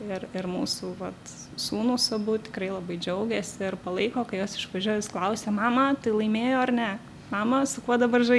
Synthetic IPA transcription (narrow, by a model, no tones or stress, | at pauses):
ɪrɪrmuːsuʋɐt̪ | suːnʊsɐbʊt̪ʲɪkɾɐɪlˠɐbɐɪd͡ʒʲɛʊɡʲɛːsʲɪɪrpɐlˠɐɪkoːkɐɪjoːsɪʃʋɐʒʲuɔjɪsklˠɐʊsʲeːmɑːmɐt̪ɐɪlˠɐɪmʲeːjoːɐɾnʲɛ | mɑːmɐsʊkuɔd̪ɐbɐrʒɐ